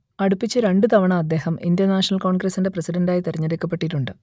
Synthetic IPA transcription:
ɐɽupːit͡ɕːɨɾe̞ɳɖɨt̪ɐʋɐɳɐmɐd̪ːe̞ːhɐmḭnd̪jɐnaːʂɐnɐlko̞ːɳɡɾɐsinde̞prɐsiɖɐndaːjit̪eriɲːɐɾekːɐpːeʈːiʈːuɳɖɨ

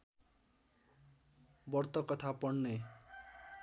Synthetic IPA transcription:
bʌrt̪ʌkʌt̪ʰapʌɳne

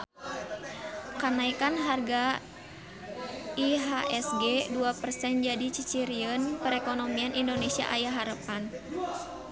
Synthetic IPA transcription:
kanaikanɦarɡa | iɦaʔɛsɡɛduapərsɛnd͡ʒadit͡ʃit͡ʃiɾiənpəɾɛkonomianʔindonesia̰ʔajaɦaɾəpan

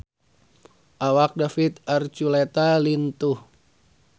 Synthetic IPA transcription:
ʔawak̚dafit̪̚art͡ʃulet̪alint̪uh

